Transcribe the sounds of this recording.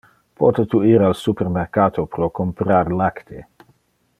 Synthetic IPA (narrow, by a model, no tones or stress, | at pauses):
pʰɔt̪et̪uiːɾalsupermeɾkaːt̪opɾokompɾaɾlakt̪ʰe